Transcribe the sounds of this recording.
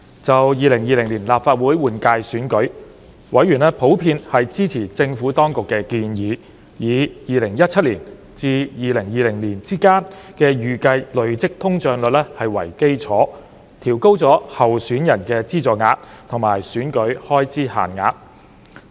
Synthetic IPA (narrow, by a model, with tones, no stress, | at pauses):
t͡sɐ˨wjiː˨˧lɪ˨˩ŋjiː˨˧lɪ˨˩ŋliː˨˩nlaː˨p̚faː˧t̚wuː˨˥jwuː˨nkaː˧jsyː˨˥nkɵ˨˥ɥ | wɐ˨˧˥jyː˨˩nɛ˥pʰo˨˥wpʰiː˧nhɐ˨jt͡siː˥t͡sʰiː˨˩t͡sɪ˧ŋfuː˨˥t̪ɔː˥ŋkʊ˨kːɛː˧kiː˧njiː˨˧˥ | jiː˨˧jiː˨lɪ˨˩ŋjɐ˥t̚t͡sʰɐ˥t̚liː˨˩n | t͡siː˧jiː˨˧lɪ˨˩ŋjiː˧lɪ˨˩ŋliː˨˩nt͡siː˥kaː˥nkɛː˧jyː˨kɐ˧jlɵ˨˧ɥt͡sɪ˥k̚t̪ʰʊ˥ŋt͡ʃœː˨˧ŋlɵ˨t̚lɛ˥hɐ˨jwɐ̰˨˩jke˥jt͡sʰɔː˨˥ | t̪ʰiː˨˩wko˥wt͡sɔː˨˥hɐ˨wsyː˨˥njɐ˨˩nkɛː˧t͡siː˥t͡sɔː˨˩ŋa̰ː˨˧t̚t̪ʰʊ˨˩ŋma̰ː˨˩jsyː˨˥nkɵ˨˥ɥhɔː˥jt͡siː˥ha̰ː˨˩nŋa̰ː˧˥t̚